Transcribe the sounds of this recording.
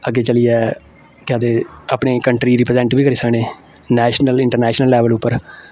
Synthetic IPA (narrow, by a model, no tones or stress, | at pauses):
əɡeːt͡ʃəliɛː | kɪaːd̪eːapɳeːkəɳʈɾiːɾɪpɾzɛ̃ːɳʈbiːkəɾiːsəkneː | nɛːʃnəlɪɳʈəɾnɛːʃnəlːɛːʋəlʊpːəɾ